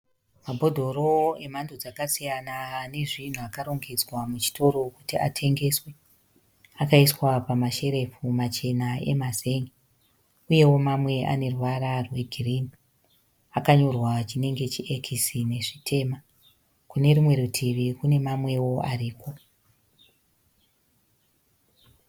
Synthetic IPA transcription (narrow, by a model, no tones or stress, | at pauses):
mabʱo̞dʱo̞ro̞e̞mandod͡zakasijanane̞ʐin̤uakaɾo̞ŋɡed͡zwamut͡ʃi̥tʰo̞ɾo̞kutiatʰe̞ŋɡe̞swe̞ | akaiswapamaʃe̞ɾe̞fumat͡ʃe̞nae̞̰maze̞ŋɡi | uje̞wo̞mamwe̞ʔa̰ne̞ruwaɾarwe̞ɡʱirini | akaɲo̞rwat͡ʃine̞ŋɡe̞t͡ʃiʔekʰisine̞ʐitʰe̞ːma | kune̞rimwe̞ɾutʰiʋikune̞mamwe̞wo̞a̰riːko̞